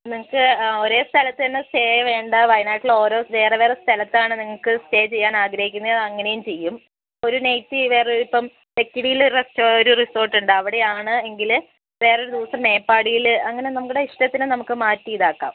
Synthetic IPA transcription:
niŋːɐɭkːɨoɾo̞ːst̪ʰɐlɐt̪ːɨɐnːesteːʋe̞ːɳɖɐʋɐjnaːjʈːilo̞ːɾo̞ːʋe̞ːreʋeːrest̪ʰɐlɐt̪ːaːɳɨniŋːɐɭkɨste̞ːt͡ɕe̞jːaːnaːɡɾɐhikʲːunːɐɐðɐŋːɐne̞jumt͡ɕe̞jːum | o̞ɾunejt̪ːiʋe̞ːreipːɐm | le̞kːiɽijilo̞ɾuɐstːoɾuriso̞ːrʈːuɳɖɨɐʋiɽe̞jaːɳɨe̞ŋɡil | ʋe̞ːrɐoɾud̪iʋɐsɐmne̞ːpːaːɽijilɐŋːɐne̞nɐmukːuɽeiʂʈɐt̪ːinɨnɐmukːɨmaːtːijiðaːkːa̰ːm

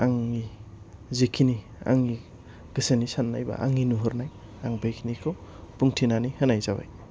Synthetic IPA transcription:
aŋːi | zekʰini | a̰ŋi | ɡ̥ɯsenisanːajba̰ʔa̰ŋinuɦɔɾnaj | aŋbajkʰinikʰɔpuŋtʰinanihɯnajzaba̰j

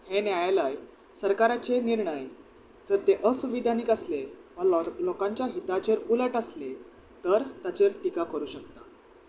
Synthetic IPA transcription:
henjajaləj | səɾkaɾat͡seniɾɳəj | d͡zəɾt̪eʔəsuʋid̪aniːkəsleʋəɾlɔkãɲt͡ɕjaɦit̪at͡ɕeɾuləʈəsle | t̪əɾt̪at͡ɕeɾʈikakəɾuːɕək̚t̪a

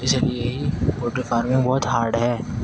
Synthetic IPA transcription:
ɪslieɦikoːʈəɾfaːɾmɪ̃ŋbɔːʊt̪ɦaːɾɖɦɛː

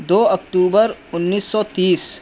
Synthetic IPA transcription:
d̪oːɐkʈuːbəɾʊnːiːsːɔːt̪iːs

